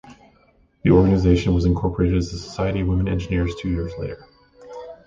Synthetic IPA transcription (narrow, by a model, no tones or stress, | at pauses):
ðiɔɹɡɨnɨzeɪʃɨ̃n̩wʌzɨ̃nkʰɔɹpʰə˞eɪɾɨɾɨzðəsə̥saɪɨɾiwɪ̃mə̃nɛ̰̃nd͡ʒɨnɪɹz̥tʰʉjɪɹzlḛɪɾə˞